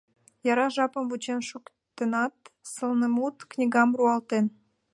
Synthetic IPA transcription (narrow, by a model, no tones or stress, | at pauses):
jɑɾɑʒɑpəmvut͡ɕenʃuk | t̪enɑt̪̚səlnəmut̪knʲiɣɑmruɑlt̪en